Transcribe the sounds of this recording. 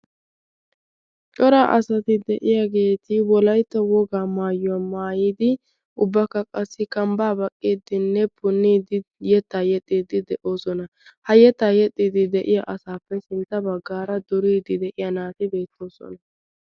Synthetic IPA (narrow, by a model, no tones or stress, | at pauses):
t͡ʃʼɔɾaːʔɐsɐt̪ɪd̪ɛʔɪjaːɡe̞ːt̪ɪwɔlɐjt̪ːɐwɔɡaːmaːjʊwɐmaːjiːd̪ɪ | ʔʊbːɐkːɐkʼɐsːɪkɐmbaːbɐkʼːiːd̪ɪnːɛpʰʊnːiːd̪ɪjɛt̪ːaːjɛt̪ʼːiːd̪ɪd̪ɛʔo̞ːsɔnɐ | hɐjɛt̪ːajɛt̪ʼːid̪ɪd̪ɛʔɪjaʔɐsaːfːɛsɪnt̪ːɐbɐɡːaːɾɐd̪ɔɾiːd̪ɪd̪ɛʔɪjanaːt̪ɪbe̞ːt̪ːo̞ːsɔ̰nɐ